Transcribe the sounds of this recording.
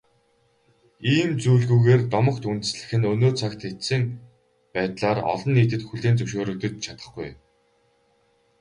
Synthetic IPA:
iːmt͡suːɮɣuːɣeːrt̪ɔmə̆χt̪unt̪ɘ̆sɮɘ̆xɘ̆nɵnoːt͡sʰakt̪ʰet̪sɘ̆ŋ | pæːt̪ɮaːrɔ̰ɮɞ̆nːiːt̪̬ɘ̆t̪xuɮeːnt͡sɵwʃoːɾɵ̆k̚t̪ɵ̆t͡ɕ̚t͡ɕʰat̪ə̆χɡuj

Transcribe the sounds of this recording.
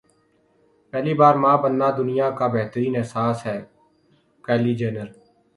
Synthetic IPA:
pɛːliːbaːɾmãːbənːaːd̪ʊnɪjaːkaːbeɦt̪ɾiːnɛːsaːsɦɛː | kɛːliːd͡ʒɛːnəɾ

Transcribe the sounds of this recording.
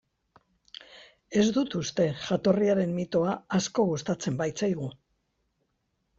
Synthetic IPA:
e̞zd̪ut̪ust̪e̞ʝat̪o̞riaɾe̞mmit̪o̞aːsko̞ɣust̪at͡se̞mbajt͡sajɣ̞u

